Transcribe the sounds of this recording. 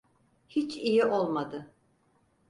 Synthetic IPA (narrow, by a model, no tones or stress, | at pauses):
hit͡ʃijiʔo̞lˠmad̪ɯ